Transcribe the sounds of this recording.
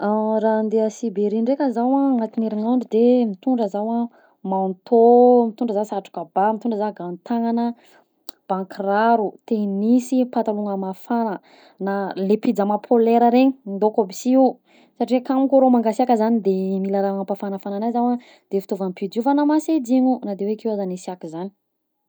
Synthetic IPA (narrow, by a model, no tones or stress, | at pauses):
aɾand̪easibeɾiɳɖ͡ʐekəzawaŋat̪ineɾiŋaɳɖ͡ʐid̪emit̪uɳɖ͡ʐəzawa | mant̪ʰomit̪uɳɖ͡ʐəzasaʈ͡ʂu̥kabamit̪uɳɖ͡ʐəzaɡant̪aŋanə | b̥ãŋkiraɾut̪enisipat̪aluŋəmafanə | nalepid͡zamapʰoleɾəɾeɲind̪okobisiu | saʈ͡ʂiwekamukoɾomaŋɡasiakəzanid̪emilaɾaaŋapafanəfananajzawa | d̪̥efi̥t̪ovampiduvanamased͡ziɲunad̪ewekewazanisiakizani̥